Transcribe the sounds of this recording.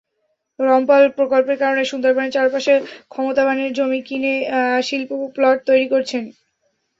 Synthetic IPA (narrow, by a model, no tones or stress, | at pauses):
ɾɔmpalpɾokolpeɾkaɾoneʃund̪oɾbʱanet͡ɕaɾpaʃekʰɔmot̪abaneɾd͡ʑomikineʃilpuplɔʈ̚t̪ojɾikoɾt͡ɕʰen